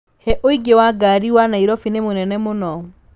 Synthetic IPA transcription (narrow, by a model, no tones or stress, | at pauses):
hɛʔoiɡewaɡaːɾiwanaiɾɔfinemonɛnɛmonɔ